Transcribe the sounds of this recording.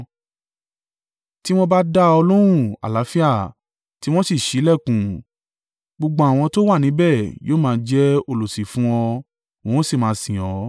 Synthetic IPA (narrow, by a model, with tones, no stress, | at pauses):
ti˦w̃ɔ̃˧ba˦da˦ɔ˧lo˦ɾ̃ũ˦˨a̰˨la˨˦fi˦a˦˨ | ti˦w̃ɔ̃˦si˦˨ʃi˨˦lɛ˦˨kũ˨ | ɡ͡bo˧ɡ͡bã˨˦a˦˨w̃ɔ̃˧to˦wa˦˨nĩ˨˦bɛ˦˨joː˦mãː˦˧˦d͡ʒɛ˦o˦˧lo˨si˨fũ˦ɔ˧ | wõ˨˧wɔ̃˦si˦˨mãː˨˦˧sĩ˨ɔ˨˦